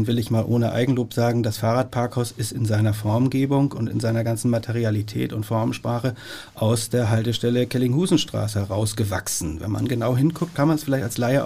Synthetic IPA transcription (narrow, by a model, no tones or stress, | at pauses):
nvɪlɪçmaːlʔoːnəʔa̰ɪɡŋ̩loːpz̥aːɡŋ̩dasfaːʁaːt̚pʰaɐkhaʊsɪstɪnzaɪnɐfɔɐmɡeːbʊŋʊntɪ̰nzaɪnɐɡant͡sn̩matʰɛʁ̞ialitʰɛ̰ːtʊntfɔɐmʃpʁ̥aːχə | ʔaʊsd̥eːɐɦaltəʃtɛləkʰɛlɪŋhuːzn̩ʃtʁ̥a̰ːsəhɛʁaʊsɡ̥əva̰ksn̩vɛ̰nma̰nɡənaʊɦɪnkʰʊk̚t̚kʰanmanɛsfɪlaɪtalslaɪə